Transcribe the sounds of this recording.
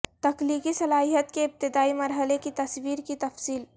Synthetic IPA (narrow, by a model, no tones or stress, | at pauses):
t̪ɐkliːkisɐlaːɦijət̪keɪp̚t̪ɪd̪aːimɐɾɦəlekit̪ɐswiːɾkit̪ɐfsiːl